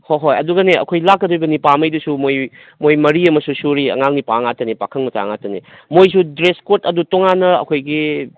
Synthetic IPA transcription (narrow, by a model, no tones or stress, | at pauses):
hoɦojɐduɡɐneɐ̰kʰojlakːɐdojbɐnipamɐjdusumoj | mojmɐɾiɐmɐsusuɾiɐ̰ŋaŋnipaŋatɐnipakʰɐŋmɐta̰ŋatɐni | mojs̬udɾeskotɐdutoŋanːɐɐ̰kʰojɡi